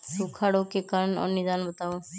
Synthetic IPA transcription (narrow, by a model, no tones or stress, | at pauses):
sukʰaːɽõkekaːɾəɳɔ̰ːɾnɪd̪aːnbət̪aːo